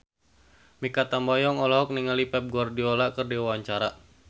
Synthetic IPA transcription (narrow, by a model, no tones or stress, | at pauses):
mikat̪ambajɔŋɔlaɦɔk̚niŋalipɛp̚ɡuardiolakɨrdiawaɲt͡ʃaɾa